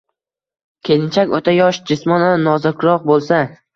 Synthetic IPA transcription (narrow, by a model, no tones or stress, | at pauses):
kʲʰelɪnt͡ʃʰakʲot̪ʰajɒʃd͡ʒɪsmɒnanɒzakʲʰʊɾɒq̚bolˠsa